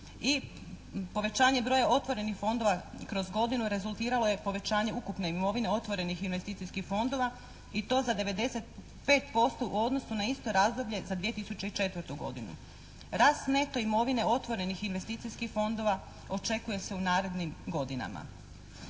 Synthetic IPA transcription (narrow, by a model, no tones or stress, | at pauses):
i | po̞ʋe̞t͡ɕaːɲe̞bɾo̞ːjaʔo̞t̪ʋo̞ɾe̞nixfo̞nd̪o̞ʋakɾo̞zɡo̞d̪inuɾe̞zulˠt̪iːɾalˠo̞je̞po̞ʋe̞t͡ɕaːɲe̞ukupne̞imo̞ʋine̞o̞t̪ʋo̞ɾe̞nixinʋe̞st̪iːt̪ijskixfo̞nd̪o̞ʋa | it̪o̞ːzad̪e̞ʋe̞d̪e̞se̞t̪ | pe̞ːt̪po̞st̪o̞ʔuo̞d̪no̞sunaist̪o̞ɾaːzd̪o̞bʎʲe̞zad̪ʋije̞t̪isut͡ɕeit͡ʃe̞t̪ʋɾt̪uɡo̞̰d̪inṵ | ɾaːst̪ne̞t̪o̞imo̞ʋine̞o̞t̪ʋo̞ɾe̞nixinʋe̞st̪iːt̪sijskixfo̞nd̪o̞ʋa | o̞t͡ʃe̞kuje̞se̞unaːɾe̞d̪nimɡo̞d̪ina̰ma̰